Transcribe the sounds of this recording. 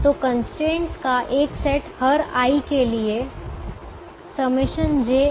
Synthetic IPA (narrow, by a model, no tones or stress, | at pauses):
t̪okə̃nsʈɾẽːɳʈskaʔeːksɛːʈhɐɾaːikelie | səmɪʃənd͡ʒe